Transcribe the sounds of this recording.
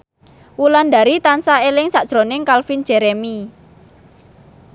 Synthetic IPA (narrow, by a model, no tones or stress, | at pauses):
wuland̪a̤ɾit̪ansaelɪŋsaʔd̥ʒ̥ɾonɪŋkalfind͡ʒ̥ɛɾemi